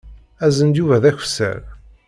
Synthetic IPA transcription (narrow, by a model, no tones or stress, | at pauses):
æzənd̪juvæðæç̥sə̰ɾ